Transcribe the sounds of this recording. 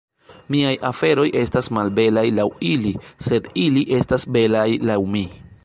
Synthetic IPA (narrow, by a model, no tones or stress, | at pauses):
miajʔafe̞ɾo̞jʔe̞stasmalbe̞lajlawilise̞diliʔe̞stasbe̞lajlawmi